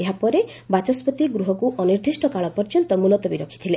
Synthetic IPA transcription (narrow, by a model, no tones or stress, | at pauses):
eɦapɔɾe | bat͡ʃɔspɔt̪iɡɾuɦɔkuʔɔniɾd̪ʱisʈɔkaɭɔpɔɾd͡ʒɔnt̪ɔmulɔt̪ɔbiɾɔkʰi̥t̪ʰilẽ